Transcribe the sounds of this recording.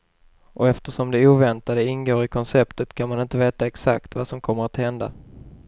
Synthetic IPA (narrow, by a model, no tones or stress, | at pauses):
ʔɔɛft̪əʂɔmd̪ɛuːvɛnt̪ad̪əɪnɡoːɾɪkʰɔnsɛpt̪ət̪kʰanmanɪnt̪əveːt̪aɛksakt̪vasɔmkʰɔmːəɾat̪hɛnd̪a̰